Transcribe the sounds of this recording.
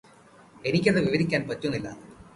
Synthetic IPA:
e̞nikʲːɐðɨʋiʋɐɾikʲːaːnpɐtːunːilːɐ̰

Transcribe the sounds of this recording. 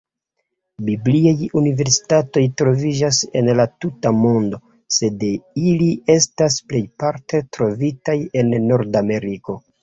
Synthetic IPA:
bibliajunive̞ɾsi̥tato̞jtɾo̞vid͡ʒase̞̰nlatutamo̞ndo̞ | se̞dilie̞stasple̞jpaɾte̞tɾo̞vitaje̞nːo̞ɾdame̞ɾiko̞

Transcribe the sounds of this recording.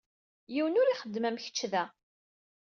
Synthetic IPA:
jiwənʊɾiχəd̪ːmæmçə̥t͡ʃːðæ

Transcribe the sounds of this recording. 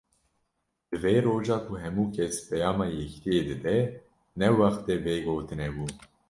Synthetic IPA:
d̪̥ɨveɾoːʒɑːkʰuɦɛmuːkʰɛspʰɛjɑːmɑːjɛki̥t̪ʰijeːd̪ɨd̪ɛ | nɛwɑxt̪ɛveːɡoːt̪ɨnɛbuː

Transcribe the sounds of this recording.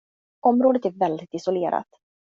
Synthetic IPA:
ʔɔmɾoːd̪ət̪æɾvɛld̪ɪt̪ɪsʊleːɾa̰t̪

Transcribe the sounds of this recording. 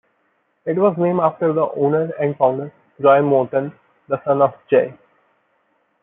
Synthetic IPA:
ɪʈʋɔːznẽːmaːfʈəɾd̪əʔõːnəɾɛ̃ɳɖfãʊ̃ɳɖəɾ | ɾɔɪ̃mɔːɾʈə̃n | d̪əsʌ̃nɔfd͡ʒeɪ

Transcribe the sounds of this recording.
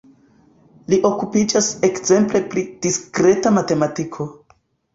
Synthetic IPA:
liʔo̞kupid͡ʒase̞kze̞mple̞pɾid̥iskɾe̞tamate̞matikʰo̞

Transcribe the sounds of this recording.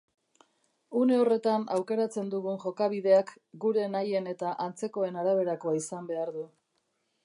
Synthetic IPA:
une̞o̞re̞t̪ana̰wke̞ɾat͡se̞nd̪uɣunʝo̞kaβiðe̞ak | ɡuɾe̞naje̞ne̞t̪aʔant͡se̞ko̞e̞naɾaβ̞e̞ɾako̞aisambe̞aɾðu

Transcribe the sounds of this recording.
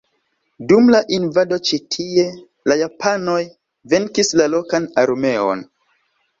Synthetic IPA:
dumlaʔinvado̞t͡ʃitʰie̞ | lajapʰano̞j | ve̞ŋkislalo̞kanaɾme̞o̞̰n

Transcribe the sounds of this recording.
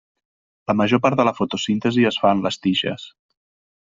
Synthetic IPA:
ləməʒopaɾt̪ðələfot̪usint̪əziəsfaənləst̪iʃə̰s

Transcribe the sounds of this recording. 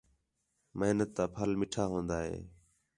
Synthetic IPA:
məɦnət̪ːãːpʰəlmɪʈʰaːɦõːnd̪aːɦḛː

